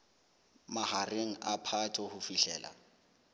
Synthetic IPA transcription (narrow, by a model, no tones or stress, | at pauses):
mahareŋ̩apʰatʰʼɔhʊfiɬɛ̰ːla̰